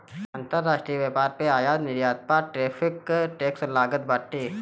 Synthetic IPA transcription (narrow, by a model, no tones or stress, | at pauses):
ãːnt̪əɾːaːʃʈɾiʋeːpaːɾpeaːjaːd̪nɪɾjaːt̪̚paʈɾeːpʰɪkʈeːkslaːɡət̪̚baːʈːeː